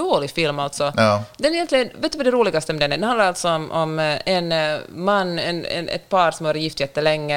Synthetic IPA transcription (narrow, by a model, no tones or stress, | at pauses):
oːlɪfɪlmalt̪sɔd̪ɛnɾjɛnt̪lɪɡənveːt̪ːʉvad̪ɛɾuːlɪɡast̪əmɛd̪ɛnːæɖɛnhand̪laɾalt̪sɔɔmʔɔmɛnmanːɛ̰nɛ̰nɛ̰t̪pʰɑːɾsɔmhoːɾjɪft̪jɛt̪ːəlɛŋːə